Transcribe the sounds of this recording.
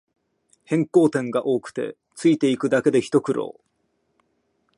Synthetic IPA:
hẽ̞ŋko̞ːt̪ẽ̞ŋɡaʔo̞ːkɯ̟̥t̪e̞̰ | t͡sɨit̪e̞ikɯ̟d̪ake̞d̪e̞çi̥t̪o̞kɯ̟ɾʔo̞̰ː

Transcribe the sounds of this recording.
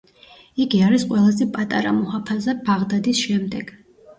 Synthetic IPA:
iɡiaɾisqʼwɛlˠazɛpʼat̪ʼa̰ɾamɔhapʰazɛbaʁd̪ad̪isʃɛmd̪ɛɡ̥

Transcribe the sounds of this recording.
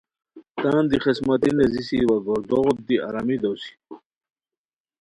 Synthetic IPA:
t̪aːnd̪iχesmat̪inezisiwaɡɔɾd̪ɔʁt̪̚d̪iaɾamid̪owsi̥

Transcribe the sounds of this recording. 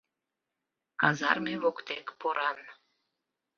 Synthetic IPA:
kɑzɑ̰rmeβokt̪ekpoɾɑn

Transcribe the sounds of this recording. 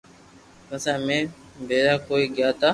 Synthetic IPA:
əsãːmẽː | bʱeːɾaːkoːiːɠɪjaːt̪aː

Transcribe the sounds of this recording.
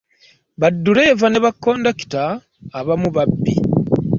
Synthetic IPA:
βadːuɾe̞ːvane̞βakːo̞ːndaki̥taː | βamuβabːḭ

